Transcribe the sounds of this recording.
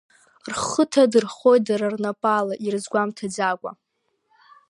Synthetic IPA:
rχətʰadɨrχo̞jt̚daɾarnapʼalaʔirɨzɡʷamtʰad͡zakʷʼa̰

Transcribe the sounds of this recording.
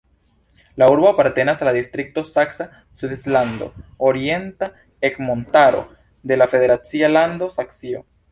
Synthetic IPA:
lauɾboapaɾte̞nasalad̪ist̪ɾik̚to̞saksa | swidisland̪o̞̰oɾie̞nta | ekmo̞ntaɾo̞̰ | d̪e̞lafe̞ðe̞ɾat͡sialand̪o̞saksio̞̰

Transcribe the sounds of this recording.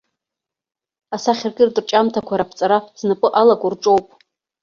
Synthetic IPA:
asaχʲɪrɡʲʼɪrdrt͡ʃʼamtʰakʷʰaɾapʰt͡sʼaɾaznapʼɨʔalaɡʷʼʊrʈ͡ʂʼowpʼ

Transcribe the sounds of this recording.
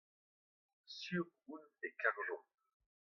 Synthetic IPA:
syʁunekaʁlõ

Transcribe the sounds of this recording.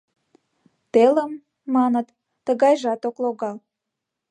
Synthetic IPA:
t̪eləmː | ɑnət̪ː | əɣɑjʒɑt̪okloɣɑl

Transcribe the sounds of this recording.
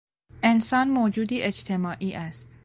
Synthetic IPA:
ʔensɒːnmoːd͡ʒuːd̪iːʔed͡ʒt̪ʰe̞mɒːʔiːʔæst̪

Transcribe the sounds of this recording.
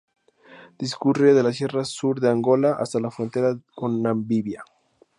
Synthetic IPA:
d̪̥iskureðe̞las̬je̞rasuɾðeaŋɡo̞laʔa̰st̪alafɾo̞nt̪e̞ɾako̞nːambiβja

